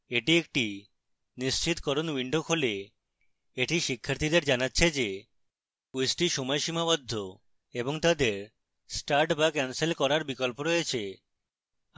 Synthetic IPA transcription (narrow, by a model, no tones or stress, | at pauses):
eʈiek̚ʈi | niʃt͡ɕit̪kɔɾonwiɳɖokɦole | eʈiʃikʰːaɾt̪ʰid̪eɾd͡ʑanatːɕʰed͡ʑe | kusʈiʃɔmɔjʃimabɔd̪ʱːo | eboŋt̪ad̪eɾ | sʈaɾʈbakɛnselkɔɾaɾbikolpoɾojet͡ɕʰe